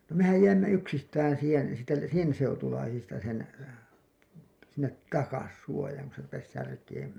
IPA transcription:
no mehæj jæimːæ yksistæːn̞ siːhen̞ sitːe sen seutulɑisistɑ sen sinːet tɑkɑs suojɑːŋ ku se rupes særkeːm

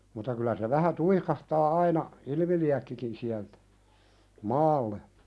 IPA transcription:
mutːɑ kylæ se ʋæhæ tuikɑhtɑː ɑinɑ ilĭmiliækːikin siæltæ̥ mɑːlːe

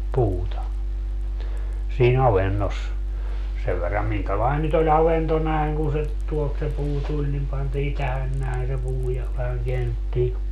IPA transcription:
puːtɑ siːn ɑʋenːos seʋ ʋerːɑm miŋkælɑin nyt olʲ ɑʋento næeŋ kun se tuolt se puː tulʲ nim pɑntiː tæhæn næen se puː jɑ ʋæhæŋ keænːetːiː

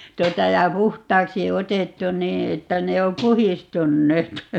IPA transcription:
tuotɑ jɑ puhtˑɑːksi otetːu niː etːæ ne o puhistunːeːt

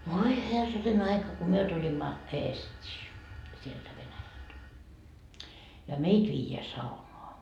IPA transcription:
ʋoi herːɑnen ɑikɑ ko myø tulimːɑ eːstʲiː sieltæ ʋenæjælt jɑ meit ʋiːjeæ sɑunoɑ

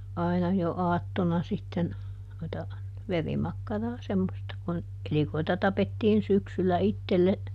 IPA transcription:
ɑi̯nɑ jo ɑːtːonɑ sitːen noitɑ ʋerimɑkːɑrɑː semːostɑ kun elikoitɑ tɑpetːiːn syksylːæ itːelːe

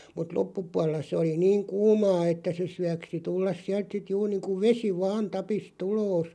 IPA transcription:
mut lopːupuɑl̆ĕlːɑ se oli niːŋ kuːmɑː etːæ se syæksi tulːɑs siælt sit juːr niːŋku ʋesi ʋɑːn tɑpist uloːs

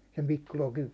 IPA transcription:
sem pikːu lokiʋ

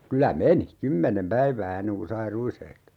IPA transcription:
kylæ meni kymːenem pæiʋæː enːeŋ ku sɑi ruishehto

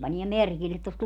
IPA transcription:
pɑniɛ merkilːet tost

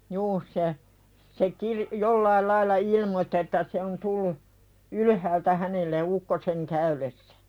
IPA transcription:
juː se se kirĭ jolːɑil lɑilːɑ ilmotːĭ etːæ se on tulːu ylyhæːltæ hænelːe ukːoseŋ kæylesːæ̥

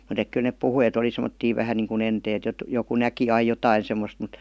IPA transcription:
mut ek kyl nep puhui et oli semə̆tːiː ʋæhæn niːŋku enteːt jot joku næki ɑi jotɑi semːost mut

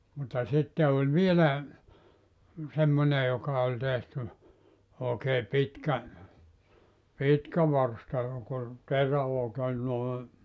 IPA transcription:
mutːɑ sitːe olʲ ʋielæ semːone jokɑ olʲ tehty oːkeː pitkæ pitkæ ʋɑrstɑ jok ol noe

